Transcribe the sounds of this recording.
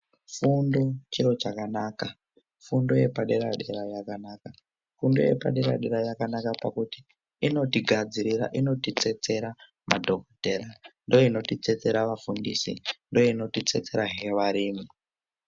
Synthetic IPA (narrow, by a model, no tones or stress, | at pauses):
fundo̞t͡ʃiɾo̞t͡ʃakanaːka | fundo̞je̞paɗe̞ɾa̰ɗe̞ɾajakanaka | fundo̞̰je̞̰pa̰ɗe̞ɾaɗe̞ɾajakanakapakuti̥ | ino̞tiɡʱad͡ziɾiɾa̰ʔino̞tit͡se̞t͡se̞ɾa | ma̰dʱokoterandojoino̞tit͡se̞t͡se̞ɾaʋafundḭsḭndojoino̞tit͡se̞t͡se̞ɾaɦe̞ʋaɾiːmi